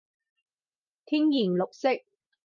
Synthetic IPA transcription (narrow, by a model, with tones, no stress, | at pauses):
t̪ʰiː˥ŋjiː˨˩nlʊ˨k̚sɪ˥k̚